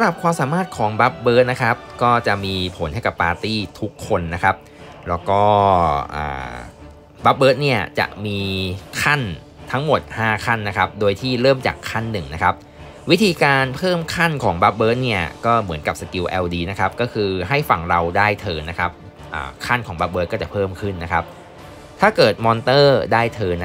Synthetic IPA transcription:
sa˨˦ɾa˨˩p̚kʰwaː˧msaː˨˩˦maː˥˩t̪̚kʰɔː˩˦ŋba˦˥p̚bɤː˦˥t̪̚na˦˥kʰa˦˥p̚kɔː˥˩t͡ɕa˨˩miː˧pʰo˩˦nha˥˩jka˨˩pːaː˧t̪iː˥˩t̪ʰu˦˥kʰːo˧nːa˦˥kʰa˦˥p̚ | lɛː˦˥wkɔː˥˩ʔə̰ː˨˩ | ba˦˥p̚bɤː˦˥t̪̚ni˥˩ɐt͡ɕa̰˨˩ʔmiː˧kʰa˥˩n | t̪ʰa˦˥ŋmo˨˩t̪̚haː˥˩kʰa˥˩nːa˦˥kʰa˦˥p̚doː˧jt̪ʰiː˥˩ɾɤː˥˩mt͡ɕa̰ː˨˩kʰːa˥˩nːɯ˨˩ŋna˦˥kʰa˦˥p̚ | wi˦˥t̪ʰiː˧kaː˧npʰɤː˥˩mkʰa˥˩nkʰɔː˩˦ŋba˦˥p̚bɤː˦˥t̪̚ni˥˩ɐkɔː˥˩mɯ˩˦ənka˨˩p̚sa˧ki˧wʔɛː˧wdiː˧na˦˥kʰa˦˥p̚kɔː˥˩kʰɯː˧ɦa˥˩jfa˨˩ŋɾa˧wdaː˥˩jt̪ʰɤː˧na˦˥kʰa˦˥p̚ | ʔə̰ː˨˩kʰa˥˩nkʰɔː˩˦ŋba˦˥p̚bɤː˦˥t̪̚ɔː˥˩t͡ɕa˨˩pʰɤː˥˩mkʰɯ˥˩nːa˦˥kʰa˦˥p̚ | t̪ʰaː˥˩kɤː˨˩t̪̚mɔː˧nt̪ɤː˥˩daː˥˩jt̪ʰɤː˧na˦˥

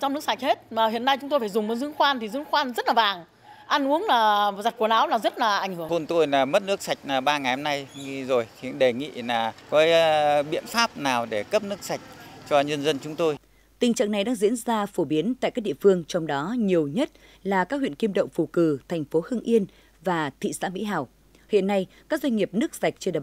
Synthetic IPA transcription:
t͡ɕɔ˧wŋ͡mnɨ˦˥əksa˨˩k̚he˦˥t̚maː˨˩hḭ˧˨ənːa˧jt͡ɕʊ˦ŋ͡mt̪o˧jfaː˧˩zʊ˨˩ŋ͡mmo˨˦t̚zɨ˨˦ə˦ŋxwaː˧nt̪i˨˩zɨ˨˦əŋxwaː˧nzə˦˥t̚laː˨˩vaː˨˩ŋ | ʔa˧nʔu˨˦əŋlaː˨˩za˨˩t̚ku˧˩ənaː˨˦wlaː˨˩zə˦˥t̚laː˨˩ʔa˧˩jŋ̟hɨ˧˩˨o˧nt̪o˧jlaː˨˩mə˦˥t̚nɨ˦˥ək̚sa˨˩jk̟̚naː˨˩ɓaː˧ŋa˨˩jhɔ˧mna˧jŋ˧zo˨˩jxi˨˧˦nɗe˧˩ŋḭ˧˨laː˨˩kɔ˨˦ɓḭ˧˨ənfaː˦˥p̚naː˨˩wɗe˧˩kə˦˥p̚nɨ˦˥ək̚sa˨˩jk̟̚t͡ɕɔ˧ɲə˧nzə˧nt͡ɕʊ˨˦ŋ͡mt̪o˧j | t̪ï˨˩ŋ̟t͡ɕa̰ː˧˨ŋna˨˩jɗaː˧ŋzḭ˧˥ənzaː˧fo˧˩ɓi˨˦ənt̪a̰ː˧˨kaː˦˥k̚ɗi˧˨əfɨ˧əŋt͡ɕɔ˧wŋ͡mɗɔ˨˦ɲi˨˩əwɲə˦˥t̚ | laː˨˩kaː˦˥k̚hwḭ˧˨ə˨nki˧mɗə̰˧˨wŋ͡mfu˨˩kɨ˨˧˩t̪ʰa˨˩jŋ̟fo˨˦hɨ˧əŋʔi˧ən | vaː˨˩t̪ʰḭ˧˨sa̰ː˧˥mḭ˧˥ɦaː˨˩w | hḭ˧˨ənːa˧jkaː˦˥k̚zwa˧ŋ̟ŋi˨˩əp̚nɨ˦˥ək̚sa˨˩jk̚t͡ɕe˧ɗə˨˩

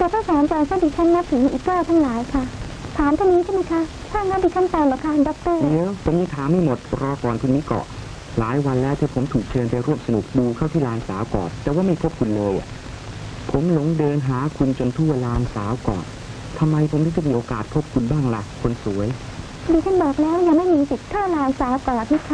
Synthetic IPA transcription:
t̪ɛː˨˩t̪ʰaː˥˩sʰaː˨˩˦nt͡ɕaː˧˩ŋsʰa˧˥˩diː˧t͡ɕʰa˦˥nːa˦˥p̚siː˨˦m˧˨ʔiː˨˩k̚d̪u˥˩˧t̪ʰaː˥˩ŋlaː˩˦jkʰa˥˩t̪ʰaː˩˦nt̪ʰa˥˩niː˦˥t͡ɕʰa˥˩ma˦˥jkʰa˦˥ | t̪ʰaː˥˩naː˦˥pi˧˩kʰa˥˩mt̪a˧jlɛː˨˩wkʰa˥t̪ʰa˧ndɔ˨˦˥k̚t̪ɤː˥˩li˧˦wpʰo˨˩˦mjiː˧˥t̪ʰaː˦ŋmːa˥˩jmo˨˩t̪̚ɾɔː˧kɔː˨˩nkʰu˧nmiː˦˥˩kɔ̰˨˩ʔ | laː˨˩˦jwa˧nlɛː˦˥wt̪ʰiː˧˩pʰo˩˦mt̪ʰuː˨˩k̚t͡ɕʰɤː˧npa˧jɾu˥˩əmsa˧nu˨˩k̚duː˧kʰa˥˩wt̪ʰiː˥˩laː˧nsaː˩˦wkɔ̰ː˨˩nt̪ɛː˨˩waː˥˩ma˥˩jpʰo˦˥p̚kʰu˧nlɤː˧ja̰˨˩ | pʰo˩˦mlo˨˦ŋdɤː˧nɦaː˩˦kʰu˧nt͡ɕo˧nt̪ʰu˥˩ɐlaː˧ŋsaː˩˦wkɔ̰ː˨˩n | t̪ʰa˧mːa˧jpʰo˨˩˦mnaː˥˩t͡ɕa˨˩miː˧ʔoː˧kaː˨˩t̪̚pʰo˦˥p̚kʰu˧nbaː˥˩ŋla˨˩kʰːo˧nsu˩˦əj | diː˧t̪ʰa˥˩nbɤː˨˩k̚lɛː˦˥wja˨˩ŋma˥˩jmiː˧si˨˩t̪̚kʰaː˥˩laː˧ŋsaː˩˦wkɔː˨˩t̪̚ma˥˩kʰa˦˥

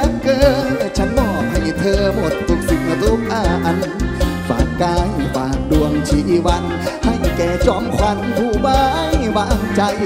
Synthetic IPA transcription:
a˧˥ŋkəː˧a˨˩t͡ɕʰa˧˥nmɔː˧˩p̚ha˨˩jɲa˨˩t̪ʰɤː˧mo˨˩t̪̚fu˧k̚si˨˧˩ŋ̚ʔa˨˧˩zu˧˦˥k̚ʔaː˧˩ʔa˧nfa̰ː˨˩ŋkaː˧jwaː˨˩ŋɗu˨˧˩əŋt͡ɕʰi˨˩ʔi˧˩wa˧˥n | ha˧˩jkɛː˧˩t͡ɕɔ˧˦mkʰwa˧˥nvu˧˩baː˧˦jwaː˧˩˧t͡ɕa˧j

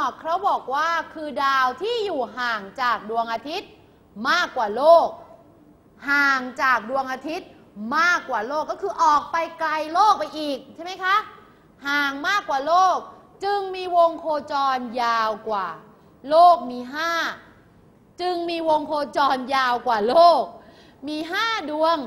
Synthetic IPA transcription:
kʰɾa˦˥wbɔː˨˩k̚waː˥˩kʰɯː˧daː˧wt̪ʰiː˥˩juː˨˩ɦaː˨˩ŋt͡ɕaː˨˩k̚du˧əŋʔaː˧t̪ʰi˦˥t̪̚ | maː˥˩kːwaː˨˩loː˥˩k̚ | haː˨˩ŋt͡ɕaː˨˩k̚du˧əŋʔaː˧t̪ʰi˦˥t̪̚ | maː˥˩kːwaː˨˩loː˥˩kːɔː˥˩kʰɯː˧ʔɔː˨˩k̚pa˧jkla˧jloː˥˩k̚pa˧jʔiː˨˩k̚t͡ɕʰa˥˩ma˦˥jkʰa˦˥ʔ | haː˨˩ŋmaː˥˩kːwaː˨˩loː˥˩k̚ | t͡ɕɯ˧ŋmiː˧wo˧ŋkʰoː˧t͡ɕɔː˧njaː˧wkwaː˨˩ | loː˥˩k̚miː˧ɦaː˥˩ | t͡ɕɯ˧ŋmiː˧wo˧ŋkʰoː˧t͡ɕɔː˧njaː˧wkwaː˨˩loː˥˩k̚ | miː˧ɦaː˥˩du˧əŋ

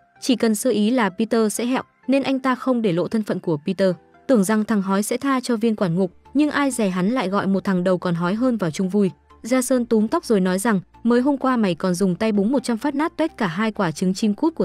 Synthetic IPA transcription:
t͡ɕi˧˩kə˨˩nsəː˧ʔi˨˦laː˨˩pi˧t̪əː˧sɛ̰˧˥ɦɛ̰˧˨w | ne˧nʔa˧jŋ̟t̪aː˧xə˧wŋ͡mɗe˧˩lo̰˧˨t̪ʰə˧nfə̰˧˨nku˧˩əpi˧t̪əː˧ | t̪ɨ˨˧˩əŋza˨˩ŋt̪ʰa˨˩ŋɦɔ˨˦jsɛ̰˧˥t̪ʰaː˧t͡ɕɔ˧vi˧ənkwaː˧˩nŋu˨˩k̚ɲɨ˧ŋʔaː˧jza˨˩jɦa˨˦nla̰ː˧˨jɣɔ̰˧˨jmo˨˩t̚t̪ʰa˨˩ŋɗə˨˩wkɔ˨˩nɦɔ˨˦jɦəː˧nvaː˨˩wt͡ɕʊ˧ŋ͡mvu˧j | zaː˧səː˧nt̪u˨˦mt̪ɔ˦˥wk͡p̚zo˨˩jnɔ˨˦jza˨˩ŋ | məː˨˦jɦo˧mkwaː˧ma˨˩jkɔ˨˩nzʊ˨˩ŋ͡mt̪a˧jɓʊ˨˦ŋ͡mmo˨˩t̚t͡ɕa˧mfaː˦˥t̚naː˦˥t̚t̪e˦˥t̚kaː˧˩ɦaː˧jkwaː˧˩t͡ɕɨ˨˦ŋt͡ɕi˧mku˦˥t̚ku˧˩ə˨

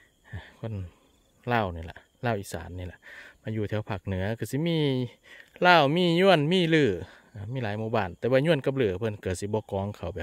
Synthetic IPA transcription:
ʔa˧˩kʰo˧˥˨n | laː˧˨wniː˧˩la̰˨˧˨ʔ | laː˧˥˨wʔiː˧˩sa̰ː˨˦nːiː˧˩la̰˨˩ʔmaː˧˨juː˧t̪ʰɛː˧˩˨wpʰaː˧˩k̚nɯ˨˦ɐkʰa˧˩si˧˦miː˧˥˨ | laː˧˥˩wmiː˧˥˨ɲu˧˥˨ənmiː˧˥˨lɯː˧˩ | ʔa˧˩miː˧˥˨laː˨˦jmuː˧˦baː˧˩˨nt̪ɛː˧waː˧ɲu˧˨ənka˧˦p̚lɯː˧˩pʰɤ˧˥˨nka˧˩si˧˦bɔː˧˦kɔː˨˦ŋkʰa˨˩wbɛ˨˩p̚

